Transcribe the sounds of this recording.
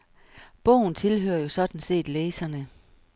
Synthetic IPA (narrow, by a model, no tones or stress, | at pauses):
b̥ɔ̰ʊ̰n̩t͡sʰe̝lɦø̰ːɐjo̝sɒ̽d̥n̩se̝̰ːd̥leːsɐnə